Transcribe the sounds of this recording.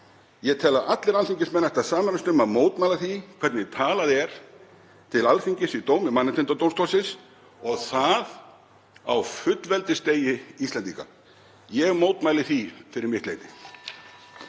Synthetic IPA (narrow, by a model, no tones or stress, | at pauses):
jɛɣt̪ʰɛːlaʔat̪lɪɾalfiɲcɪsmɛnːaɛht̪asaːmaɾst̪ʏmaðmoːwt̪maːjlaθikʰvɛɾt̪nɪt̪ʰaːlaðɛɾ̥ | t̪ʰɪlalfiɲcɪsit̪oːwmɪmanːɪt̪ʰɪnt̪at̪ownst̪ɔlsɪns | ɔɣθað | a̰wfʏt̪lvɛlt̪ɪst̪eːjɪist̪lɛnt̪iːka̰ | jɛɣmoːwt̪majlɪθifɪɾɪɾmɪht̪lḛjt̪ɪ